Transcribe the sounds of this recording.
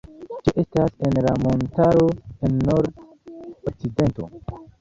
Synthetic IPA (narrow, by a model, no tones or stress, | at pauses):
t͡ʃeʔe̞stase̞nlamo̞ntaɾo̞enːo̞ɾd | ok̚t͡side̞nto̞̰